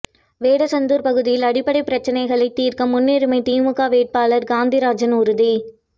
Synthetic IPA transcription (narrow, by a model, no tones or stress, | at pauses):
ʋeːɽɐsɐnd̪uːɾpɐɣɯðɪjɪlɐɽɪpːɐɽɐɪpɪɾɐt͡ʃːɐnɐɪɣɐɭɐɪt̪ːiːɾkɐmːʊnːeːɾɯmɐɪt̪iːmɯkaːʋeːʈ̚paːlɐɾɡaːnd̪iɾaːd͡ʒɐnʊɾɯði